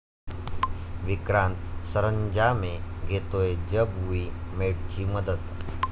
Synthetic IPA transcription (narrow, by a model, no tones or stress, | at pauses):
ʋikɾãnt̪səɾəɲd͡ʑameɡʱet̪ojed͡ʑəbuimeɽt͡ɕiːməd̪ət̪